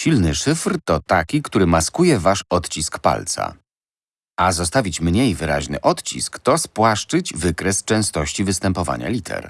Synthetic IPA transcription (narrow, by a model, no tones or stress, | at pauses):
ɕilnɘʂɘfɾt̪ɔt̪akʲikt̪uɾɘmaskujɛvaʂɔt̪t͡ɕiskpa̰lt̪sa̰ | azɔst̪avʲit͡ɕmɲejvɘɾa̰ʑnɘ̰ʔɔt̪t͡ɕḭskt̪ɔspwaʂt͡ʂɘd͡ʑvɘkɾɛst͡ʂɛ̃w̃st̪ɔɕt͡ɕivɘst̪ɛmpɔva̰ɲa̰lʲit̪ʰɛ̰ɾ